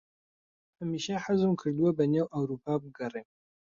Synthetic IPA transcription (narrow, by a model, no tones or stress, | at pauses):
hamiːʃɐħazɨmkʰɨɾd̪wɐbɐnewʔawɾupʰaːbɨɡɐreːm